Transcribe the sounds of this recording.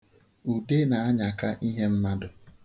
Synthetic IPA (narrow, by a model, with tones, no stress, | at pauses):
u˨de˦na˨a˦ɲa˨ka˦ʔi˦ɦe˦m̩˦ma˦dʊ˨